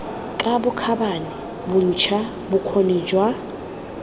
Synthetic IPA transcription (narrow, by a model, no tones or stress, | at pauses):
kʼabʊkʰabani | bʊn̩t͡ʃʰa | bʊkʰoniːd͡ʒwa